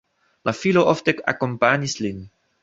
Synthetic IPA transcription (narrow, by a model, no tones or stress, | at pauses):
lʔafiloʔɔft̪ɛka̰kɔ̃mpanislin